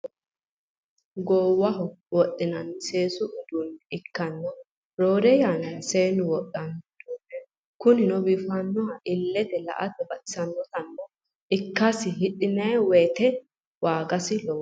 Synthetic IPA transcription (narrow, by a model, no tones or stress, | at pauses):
ɡoːwːɐhɔwɔtʼːɪnɐnse̞ːsʊʔʊd̪ʊnɪkːɐnːɔ | ɾoːɾɛjanɐseːnʊwɔtʼːɐnd̪̥uːnːɛ | kʊnɪnɔbiːfɐnːɔɐʔɪlːɛt̪ɛlɐ̰ʔɐt̪ɛbɐsɐnːɔt̪ɐnːɔ | ɪkːɐsɪɦɪɗɪnɐwɛt̪ɛ | waːɡɐsɪlɔw